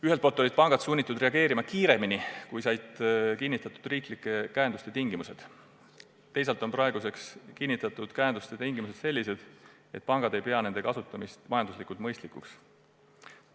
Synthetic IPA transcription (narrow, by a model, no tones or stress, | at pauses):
yɦelt̪polt̪ːolid̪̚pɑŋɡ̥ɑt̪sunʲːit̪ːˑud̪re̞ɑɡ̥e̞ːɾimɑkiːɾe̞minikujsɑjd̪̥kinʲːit̪ːˑɑt̪ːˑud̪̥riːklikːˑe̞kæenust̪e̞t̪iŋɡimuse̞d̪̥ | t̪ːe̞js̬ɑlt̪ːˑo̞npɾɑe̞ɡ̥use̞kskinːit̪ːˑɑt̪ːˑud̪̥kæend̪ust̪e̞t̪iŋɡ̥imuse̞d̪̥se̞lʲːise̞d̪̥ | e̞t̪̚pɑŋɡ̥ɑd̪e̞jpe̞ɑne̞nd̪e̞kɑsut̪ːˑɑmist̪mɑjɑnd̪uslikˑult̪mɤjst̪likˑuks